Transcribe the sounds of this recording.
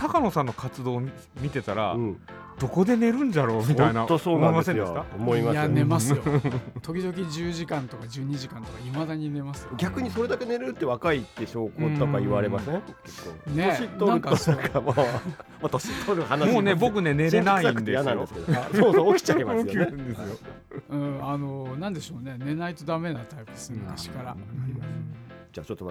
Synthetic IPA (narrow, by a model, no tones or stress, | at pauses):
t̪akano̞sãnːo̞kat͡sɨd̪o̞ː | mʲit̪e̞t̪aɾa̰ɯ̃ | d̪̥o̞ko̞d̪e̞ne̞ɾɯ̟̃ɲdaɾo̞ːmʲit̪ainat̪osoːomõimasẽjdsɨkamoimajanemasjot̪o̞kʲid̪o̞k̬ʲid͡ʑɨːʑikãnt̪o̞kad͡ʑɨːɲ̟iʑikãnt̪okaimad̪aɲine̞masɨ̥joɡʲakɯ̟ɲ̟iso̞ɾe̞d̪ake̞ne̞ɾeɾɯt̪ːe̞βakait̪ːeɕoːkookaiβaɾe̞masẽkekːo̰ːneoit̪ːoãkakamomat̪oɕit̪ʰːoɾɯhanamoːne̞bo̞k̬ɯ̟ne̞ne̞ɾenaiãnkɯ̥d̪ejanãnd̪esked̪soːsookʲi̥t͡ɕaemajõnd̪esɨjo | ɯ̟̃ːano̞nãnd̪e̞ɕo̞ːne̞ne̞nait̪o̞d̪ame̞nat̪aipɯ̟̥esɨt̪aɕi̥kaɾa̰ | d͡ʑa̰ːt͡ɕot̪ːom